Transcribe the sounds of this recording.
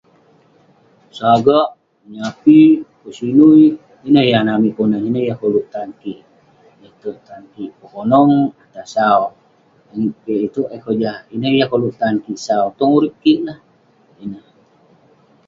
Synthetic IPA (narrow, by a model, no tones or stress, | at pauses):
saɡaʔ | məɲapikəsinui | inəhjahnamikonəhinəhjahkolut̪ankiʔ | jat̪uʔt̪ankiʔpəkonɔŋat̪asaw | jaŋiʔpiʔit̪uʔakod͡ʒahinəhjahkolut̪ankiʔsaut̪ɔŋuɾip̚kiʔlah | inəh